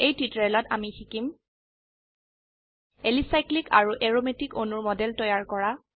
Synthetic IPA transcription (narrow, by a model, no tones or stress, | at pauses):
ejtitɹɛlɔta̰mixikim | elisajklika̰ɹuʔeɹometikonuɹmɔdɛltɔjaɹkɔɹa